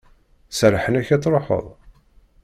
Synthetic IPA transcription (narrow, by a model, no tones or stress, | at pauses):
səɾħənæçæt͡sˤːɾˤoħə̰ðˤ